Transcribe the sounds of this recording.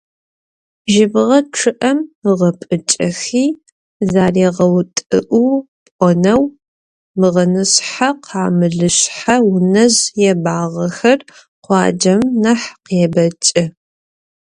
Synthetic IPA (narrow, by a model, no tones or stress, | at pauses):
ʒɪbʁɐʈ͡ʂʰɨʔɐmʁɐpʼɨt͡ʃʼɐxiː | zaːriʁɐwtʼɨʔu | pʼɔnɐw | mɨʁɐnɨsħaqʰaːmɨɮɨɕħawʊnɐzjɛbaːʁɐxɐr | qʷɑ̰ːd͡ʒɐmnɐħqjɛbɐt͡ʃʼɪ